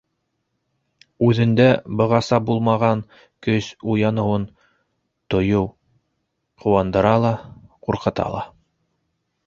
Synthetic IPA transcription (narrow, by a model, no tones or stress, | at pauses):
ʉðɘ̆nd̪æbɤ̆ʁɑsɑbulˠmɑʁɑn | kɵsujɑnɤ̆wɤn | t̪ŏjɤw | qŏwɑnd̪ɤ̆ɾɑlˠɑquɾqɤ̆t̪ɑ̰lˠɑ̰